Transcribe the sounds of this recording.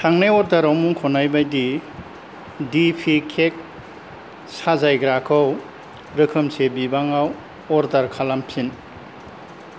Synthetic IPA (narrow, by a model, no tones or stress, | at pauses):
tʰaŋnajɔɾdaɾawmuŋkʰɔnajbajdi | dipʰikʰek̚ | sazajɡɾakʰɯw | ɾɯkʰɯmsebibaŋaw | ɔɾdaɾkʰalampʰin